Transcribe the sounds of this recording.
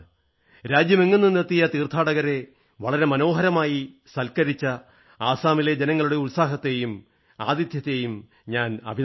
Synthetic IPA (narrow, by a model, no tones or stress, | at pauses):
ɾaːd͡ʑjɐmeŋːunːɨnːet̪ːijɐt̪iːrt̪ʰːaːɽɐɣɐɾe̞ | ʋɐɭɐɾe̞mɐno̞ːɦɐɾɐmaːjisɐlkɐɾit͡ɕːɐ | aːsaːmiled͡ʑenɐŋːɐɭuɽe̞ulsaːɦɐt̪ːe̞jum | aːd̪jɐt̪jɐt̪ːe̞jum | ɲaːnɐ̰bʱi